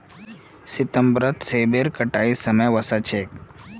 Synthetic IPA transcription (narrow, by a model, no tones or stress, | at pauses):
sit̪əmbɾət̪sebeɾkəʈaisəməjʋəsat͡ʃʰek